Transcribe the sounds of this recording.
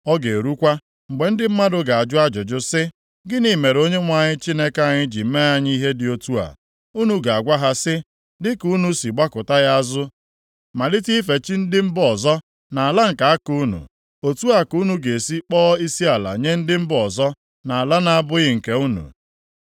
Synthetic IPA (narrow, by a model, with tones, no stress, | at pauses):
ɔ˦ɡe˨ɾu˦kʷa˦ | ŋ͡m̩˨ɡ͡be˨n̩˦dɪ˦m̩˦ma˦dʊ˨ɡa˨a˨d͡ʒʊ˦a˦d͡ʒʊ˨d͡ʒʊ˦sɪ˦ | ɡɪ˦ni˦me˨ɾo˦ɲe˦ŋʷa˨ɲɪ˦t͡ʃi˦ne˦ka˨ɲɪ˦d͡ʒi˨m̩˦me˦a˦ɲɪ˦i˦ɦe˦dɪ˨o˦tu˦a̰˨ | u˦nu˨ɡa˨a˨ɡʷa˦ɦa˦sɪ˦ | dɪ˦ku˦nu˦si˨ɡ͡ba˦kʊ˨ta˦ɣa˦a˦zʊ˦ | ma˨lɪ˦ti˦fe˨t͡ʃi˦n̩˦dɪ˦m̩˦bɔ˨zɔ˦ | na˨a˨la˦ŋ̩˨ka˨a˦ku˦nṵ˨ | o˨tu˦a˨ku˦nu˦ɡe˨e˨si˦k͡pɔː˦i˦si˦a˨la̰˨ɲe˦n̩˦dɪ˦m̩˦bɔ˨zɔ˦ | na˨a˨la˦na˨a˦bʊ˦ɣɪ˦ŋ̩˨ke˨u˦nṵ˨